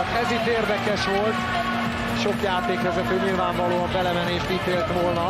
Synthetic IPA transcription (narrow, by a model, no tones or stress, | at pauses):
ɛzit̪ːeːrd̪ɛkɛʃʋolt̪ | ʃo̞kjaːt̪eːkʋɛzɛt̪øːɲilvaːɱvɒloːɒmbɛlɛmɛneːʃt̪iːt̪eːlt̪ʋolnɒ